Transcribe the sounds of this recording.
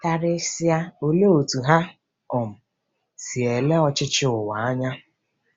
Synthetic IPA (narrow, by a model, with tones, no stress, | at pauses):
ka˨ɾɪ˦si˦a˦o˦le˦o˨tu˨ɦa˦ | ʊ˨m̩˨ | si˨e˨le˦ɔ˦t͡ʃɪ˦t͡ʃɪ˦ʊ˨wa˨a˦ɲa˦